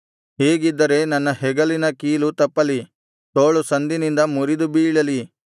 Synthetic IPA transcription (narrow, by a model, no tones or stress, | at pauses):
ɦeːɡid̪ːɐɾe̞nɐnːɐhɛɡɐlinɐkiːlut̪ɐpːɐli | t̪oːɭusɐnd̪inind̪ɐmuɾid̪ubiːɭɐli